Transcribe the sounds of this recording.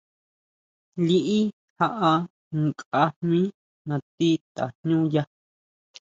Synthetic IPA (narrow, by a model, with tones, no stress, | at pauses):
li˦˧ʔi˦ | ha˧ʔa˧ | ŋkʼa˧mmĩ˦ | nã˧t̪i˦t̪a̰˨n̥ɲũ˦ja˦